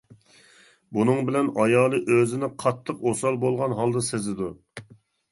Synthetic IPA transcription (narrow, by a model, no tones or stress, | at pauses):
bunɨŋbɪlɛnɑjɑːlˠɨʔøzɪnɪqʰɑt̪ʰːəqosɑlˠbolˠʁɑnɦɑlˠd̪ɨsezɪd̪u